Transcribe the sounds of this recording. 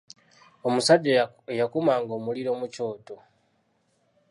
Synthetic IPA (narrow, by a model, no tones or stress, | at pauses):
omusaɟː | ejakumaːŋɡo̞ːmuliɾo̞muco̞ːto